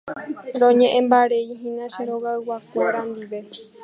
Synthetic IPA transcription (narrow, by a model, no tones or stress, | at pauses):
ɾõɲẽʔẽmbaɾe̞iɦĩnãʃeɾoɣaɨwakʷeɾãnd̪iʋe̞